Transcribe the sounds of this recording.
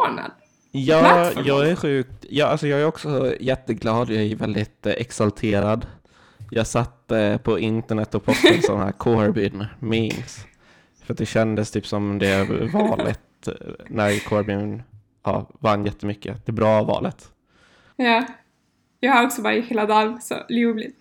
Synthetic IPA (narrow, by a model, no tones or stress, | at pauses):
ɳa̰d̪ | jɑːjɑːɡæɾɧʉ̟ːk̚t̪jɑːalsɔjɑːɡæɾɔksɔɔjɛt̪ːəɡlɑːd̪jɑːævɛld̪ɪt̪ɛ̰ksalt̪ʰeːɾad̪ | jɑːɡsat̪ːəpʰɔɪnt̪əɳɛt̪ːɔpʰɔsənsɔ̰nːahɦæ̰ːɾkʰoːaɾbʏnmɪns | fœɾat̪̚d̪ɛɕɛnd̪əst̪ʰyːpsɔmd̪ɛvɑːlə̰t̪ | næɾkʰoːaɾbynn | ʔɑ̰ːvanːjɛt̪ʰːəmʏkːə̰d̪̥ɛbɾɑːvɑ̰ːlət̪ | jɑː | jɑɡhaɾɔksɔbɑːɾɪheːlad̪ɑːlsɔ̰luːblɪt̪